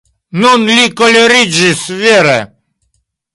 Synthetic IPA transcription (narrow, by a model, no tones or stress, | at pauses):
nɔnlʲikɔlʲɔɾid͡ʒisvʲeɾɛ